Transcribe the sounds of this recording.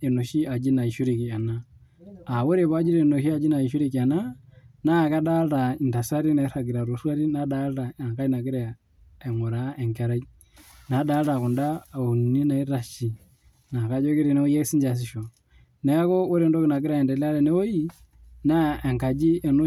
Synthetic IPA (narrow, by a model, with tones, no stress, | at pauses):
e˨nu˨ʃi˦a˨d͡ʒi˦na˨i˨ʃu˦ɾi˨ki˨a˨na˦ | a˨wo˦ɾe˨βɔ˦a˦d͡ʒi˦ɾe˨no˨ʃi˦a˨d͡ʒi˦na˨i˨ʃ̬u˦ɾiki˨a˨na˦na˦˨ka˦da˦ɾa˨i˨nda˨sa˦ɾi˦na˨i˦ɾa˨ɡi˨ɾa˨ɾu˨swa˦ɾi˦na˦da˦lɾa˨a˨ŋka˦i˦na˨ɡi˦ɾa | ɛ˨ŋu˨ɾa˨˦ɛ˨ŋkɛ˨ɾa˦i | na˨˦da˦ɾa˨ku˨nda˦u˨n˨ni˦na˨i˦ɾa˨ʃi˨ | na˨ka˦d͡ʒɔ˦ki˦ɾi˨nɛ˦o˦jɛ˦si˦ɲd͡ʒa˨s̬i˨ʃɔ˨ | nɛ˨a˦kɔ˦o˦ɾe˨ndɔ˦ki˨na˨ɡi˦ɾa˨ɛ˨ndɛ˨la˦ɾɛ˨nɛ˦ɔ˦ji˦ | na˦ɛ˨ŋka˨d͡ʒi˦ɛ˨nu˦